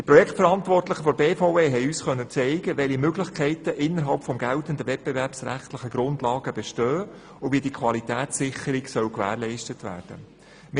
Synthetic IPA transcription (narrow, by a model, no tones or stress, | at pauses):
d̥iprɔjɛktfəɾɑntʋɔrtlɪχəfɔɾbeːfoʊeːɦɛɪyːsχœnːət͡sɛɪɡ̥əʋɛlimøɡlɪχkʰɛɪtəʔɪnːəɾɦɑlpfɔmɡ̥ɛltəndəvɛt̚b̥ɛvæɾpsræ̰χtlɪχəɡ̥ɾʊndlɑːɡəb̥ɛʃtœː | ʊviːədikʰʋɑlitæːtsɪχəɾiksœwkʋæ̰ːɾlɛɪʃtətʋæ̰ːrd̥ə̰ | m